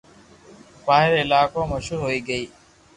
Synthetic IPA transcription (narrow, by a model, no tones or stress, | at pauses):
paːɦɪɾɪlaːkoːməʃuːɾɦoːiːɡəiː